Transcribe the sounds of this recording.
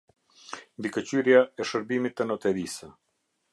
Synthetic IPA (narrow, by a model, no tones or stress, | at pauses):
mbikət͡ɕyɾjaɛʃəɾbimit̪ːənɔt̪ɛɾisə